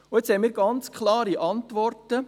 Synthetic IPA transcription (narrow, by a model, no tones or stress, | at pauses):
ʊɪt͡shɛjmiːɾɡɑnt͡skʰχlɑːɾiʔɑntʋɔrtə